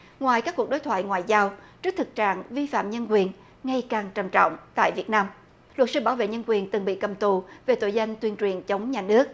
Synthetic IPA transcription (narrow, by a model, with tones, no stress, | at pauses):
ŋwaː˨˩jkaː˦˥kːu˨˩əɗo˨˦jt̪ʰwa̰ː˧˨jŋwaː˨jzaː˧wt͡ɕɨ˦˥k̚t̪ʰɨ˨˩k̚t͡ɕa̰ː˧˨ŋvi˧fa̰ː˧˨mɲə˧nkwi˨˩ən | ŋa˧jkaː˨˩ŋt͡ɕə˧˩mt͡ɕɔ̰˧˨wŋ͡mt̪a̰ː˧˨jvi˨˩ət̚naː˧m | lwə˨˩t̚sɨ˧ɓaː˧˩wvḛ˧˨ɲə˧nkwi˨˩ənt̪ɨ˨˩ŋɓḭ˧˨kə˨˩mt̪u˨˩ve˨˩t̪o̰˧˩jza˧jŋ̟t̪wi˧ənt͡ɕwi˨˩ənt͡ɕə˨˦wŋ͡mɲaː˨˩nɨ˦˥ək̚